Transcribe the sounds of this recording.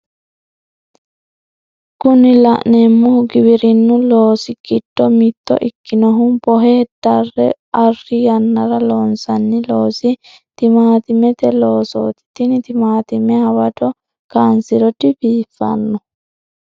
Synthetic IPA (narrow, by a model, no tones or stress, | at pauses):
kʊnɪlɐʔnɛmːʊɡɪbɪɾɪnːʊloːsɪkɪdːɔmɪt̪ːɔ̰ʔɪkːɪnɔɦʊmbɔɦeːd̪ɐrːɛ̰ʔɐrːɪjɐnːɐɾɐloːnsɐnːɪloːsɪ | t̪ɪmaːt̪ɪmɛt̪ɛloːso̰ːt̪ɪ̥t̪ɪnɪt̪ɪmaːt̪ɪmɛhɐwɐd̪ɔ | kaːnsɪɾɔd̪ɪbiːfːɐ̰nːɔ